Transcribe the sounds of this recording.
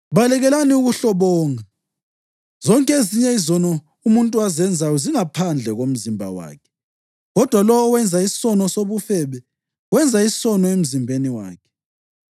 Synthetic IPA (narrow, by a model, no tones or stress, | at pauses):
βalɛɣɛlaniuɣuɬɔβɔːŋa | z̥ɔŋkʼeziɲɛizɔnɔ | umuntʼuazɛnd͡zʱajɔziŋapʰand͡ɮʱɛɣom̩zimbʱa̰wa̰ːkʰɛ̥ | ɣɔd̥ʱwalɔwwɛnd͡zʱaisi̥sɔnɔsoβufɛβɛ | wɛnd͡zʱaissɔnɔem̩zimbʱeniwa̰ːkʰɛ̥